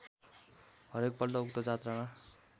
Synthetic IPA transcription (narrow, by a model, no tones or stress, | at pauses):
ɦʌɾek̚pʌlʈʌukt̪ʌd͡zat̪rana